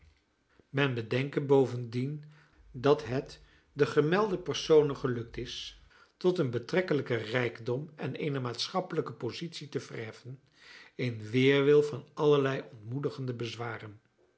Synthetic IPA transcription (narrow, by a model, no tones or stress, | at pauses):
mɛnbədɛŋkəbowvəndin | dɑtɦɛt | dəχəmɛlˠdəpɛrsownənχəlɵk̚tɪs | tɔtənbətrɛkələkərɛjɡdɔmɛ̰nejnəmaːtsχɑpələkəpozitsitəv̥ə̰rɦɛfən | ɪnʋɪːɹʋɪlˠvɑnɑləɹlɛjɔntmudəχəndəbəzʋaːrən